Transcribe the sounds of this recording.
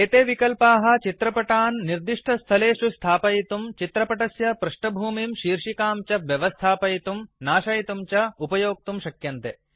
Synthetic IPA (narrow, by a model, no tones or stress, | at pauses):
eːt̪eːʋikɐlpaːɦɐ̆t͡ʃit̪ɾɐpɐʈaːnːiɾd̪iʂʈʰɐst̪ʰɐleːʃust̪ʰaːpɐjit̪umt͡ʃit̪ɾɐpɐʈɐsjɐpɾɐʂʈɐbʱuːmimʃiːɾʂikaːmt͡ʃɐʋjɐʋɐst̪ʰaːpɐjit̪umnaːʃɐjit̪umt͡ʃɐupɐjoːk̚t̪umʃɐkjɐnt̪e